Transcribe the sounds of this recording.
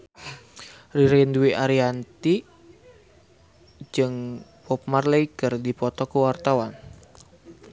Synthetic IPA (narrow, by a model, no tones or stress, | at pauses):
riɾɛnduiʔaɾiant̪i | d͡ʒɨŋpɔpmarleikərdipɔt̪ɔkuwart̪awan